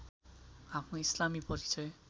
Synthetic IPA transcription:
apʰnoislamipʌɾit͡sʌj

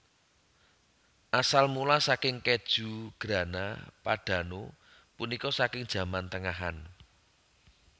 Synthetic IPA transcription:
ʔasalmulasakɪŋked̥ʒ̥ṳɡ̥ɾä̤na̰paɖ̥ä̤no | punikɔsakɪŋd̥ʒ̥ä̤mant̪əŋaɦa̰n

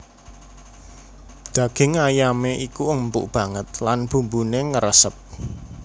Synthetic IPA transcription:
d̪̥ä̤ɡ̥ɪ̤ŋajameʔikuəmpʊʔb̥ä̤ŋət̪̚lanb̥ṳmbuneŋəɾəsəp̚

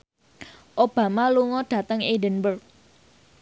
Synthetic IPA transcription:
ʔob̥a̤maluŋɔɖ̥ä̤t̪əŋidənbərk̚

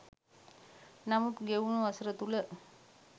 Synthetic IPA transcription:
nɐmut̪ɡeunuɐsɾət̪ulə

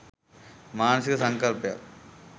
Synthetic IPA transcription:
maːnɐsɪɣɐsɐŋkɐlpja̰ːl

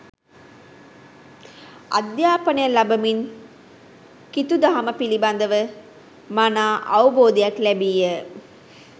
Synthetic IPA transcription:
a̰d̪jaːpənəjəlabəmin | kit̪ud̪aɦaməpiliband̪əʋə | manaːʔaʋuboːd̪ejaklɛbiːjə

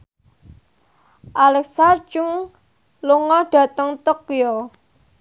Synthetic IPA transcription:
ʔalɛksat͡ʃuŋ | luŋɔɖ̥ä̤t̪əŋt̪okijo

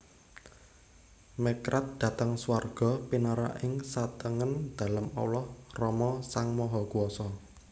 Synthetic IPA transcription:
mekɾat̪̚d̪̥ä̤t̪əŋsuwarɡ̥ɔ̤pinaɾa̰ʔɪŋsat̪əŋənd̪̥a̤lamɔ̰wlɔhrɔmɔsaŋmɔɦɔɡ̥uɔsɔ

